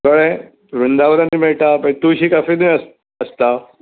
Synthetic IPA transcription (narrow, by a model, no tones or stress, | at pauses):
kəɭẽ | ɾund̪aʋəɾaniːmeɭʈapət̪uɕiːkafinujəs | əst̪a